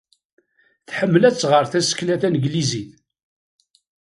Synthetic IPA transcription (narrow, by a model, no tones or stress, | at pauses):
θħəmːlæt͡sːʁəɾθæsə̥klæθænəɡliziθ